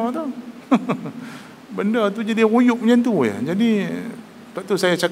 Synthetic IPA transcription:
ɔt̪u | bəndət̪ud͡ʒadiujʊʔ̚ɲant̪uja̰d͡ʒadi | taʔ̚t̪usajat͡ʃak

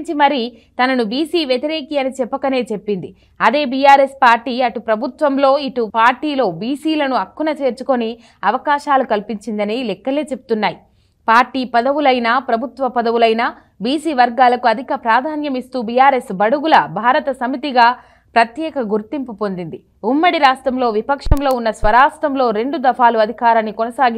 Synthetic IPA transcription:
t͡ʃimɐɾi | t̪ɐnɐnubiːsiːʋjet̪iɾeːkiːɐnit͡ʃɛpːɐkɐne̞ːt͡ʃe̞pːind̪i | ɐd̪e̞ːbijaːɾespaːɾʈiːɐʈupɾɐbʱut̪ʋɐmlo̞ːiʈupaːɾʈiːlo̞ːbiːsiːlɐnuɐkːunɐt͡ʃe̞ːɾt͡ʃuko̞ni | ɐʋɐkaːʃaːlukɐlpiɲt͡ʃind̪ɐnilɛkːɐle̞ːt͡ʃe̞bu̥t̪unːaːji | paːɾʈiːpɐd̪ɐʋulɐjnaːpɾɐbʱut̪ʋɐpɐd̪ɐʋulɐjnaː | biːsiːʋɐɾɡaːlɐkuɐd̪ʱikɐpɾaːd̪ʱaːnjɐmist̪uːbijaːɾe̞sbɐɽuɡulɐbʱaːɾɐt̪ɐsɐmit̪iɡaː | pɾɐt̪jɛːkɐɡuɾt̪impupo̞nd̪ind̪i | umːɐɽiɾaːsʈɾɐmlo̞ːʋipɐkʂɐmlo̞ːunːɐsʋɐɾaːsʈ̪ɾɐmlo̞ːɾe̞ɳɖud̪ɐfʰaːluɐd̪ʱikaːɾɐnːikɔnɐsaːɡi

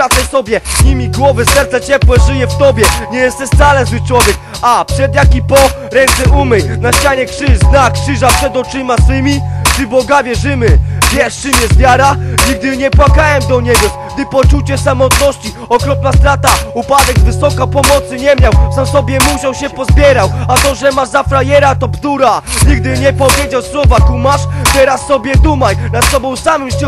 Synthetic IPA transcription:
ɾat̪sɛsɔbʲjɛzɲimʲiɡwɔvɛsɛɾt̪zat͡ɕɛpwɛʐɨjɛft̪ɔbʲjɛɲɛjɛst̪ɛst̪salɛzw̪ɨt͡ʂwɔvʲjɛk | apʂɛd̪jak̬ʲipɔ | ɾɛnt̪sɛʔumɘjnaɕt͡ɕaɲɛkʂɨznakːʂɘʐapʂɛd̪ɔt͡ʂɨmaswɘmʲipʂɨbɔɡavʲjɛʐɘmɘvʲjɛʂt͡ʂɨmjɛst̪vʲjaɾaɲiɡ̚d̪ɘɲɛpwakawɛmd̪ɔɲɛɡɔ | ɡ̚d̪ɘpɔt͡ʂut͡ɕɛsamɔt̪nɔɕt͡ɕi | ɔkɾɔp̚nast̪ɾat̪aupad̪ɛɡzvɘsɔkapɔmɔt̪sɨɲɛmʲjawfsamsɔbʲjɛmuɕawɕɛpɔzbʲjɛɾawat̪ɔʐɛmaʐzafɾajɛɾat̪ɔpd̪uɾaɲiɡd̪ɘɲɛpɔvʲjed͡ʑawswɔvat̪umaʂbʲjɛɾasɔbʲjɛd̪umaɲnat̪sɔbɔ̃w̃samɘmst͡ɕɛ

